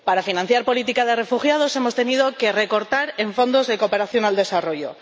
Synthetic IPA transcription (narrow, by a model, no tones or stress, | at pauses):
paɾafinãn̟θjaɾpo̞lit̪ikaðe̞re̞fuxjað̞o̞se̞mo̞st̪e̞nið̞o̞ke̞re̞ko̞ɾt̪aɾe̞ɱfo̞nd̪o̞zðe̞ko̞pe̞ɾaθjonald̪e̞saro̞ʝo̞̰